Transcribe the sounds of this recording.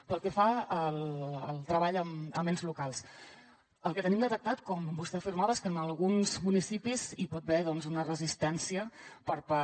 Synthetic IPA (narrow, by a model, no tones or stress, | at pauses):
pəlˠkɛfaəlˠəlˠt̪ɾəβaʎəməmenzlukalˠs | əlˠkət̪ənimd̪ət̪ək̚t̪at̪kɔmbust̪ɛəfiɾmaβeskənəlˠɣunzmunisipizipɔt̪̚bɛðɔnzunərəzist̪ɛnsiəpəɾpa